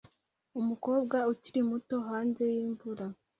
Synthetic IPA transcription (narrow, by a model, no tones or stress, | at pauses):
umuko̞ːbɡauciɾimuto̞ɦaːnze̞jiːɱvuɾa